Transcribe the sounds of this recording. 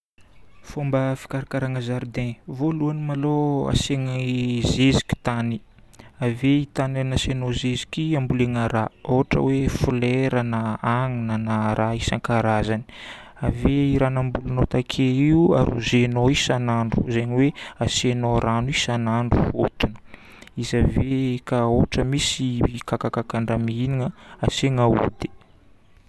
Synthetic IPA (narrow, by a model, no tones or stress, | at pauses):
fombəfi̥kaɾakaɾaŋəzaɾd̪ɛ̃voluanimaloa̰seŋizezi̥kʲi̥t̪ani | aveit̪ananasenozezikiambuleŋaɾaoɦaʈ͡ʂə̰wefulɛɾanaaŋinanaɾʔaisaŋkaɾazani̥ | aveiɾanambulunot̪akʰeiua̰ɾṵzenoisanaɳɖ͡ʐṵzeɲiweasenoɾanisanaɳɖ͡ʐufot̪unə̥ | izavekaoʈ͡ʂəmisikakakakaɳɖ͡ʐamiiniŋəaseŋaṵt̪i̥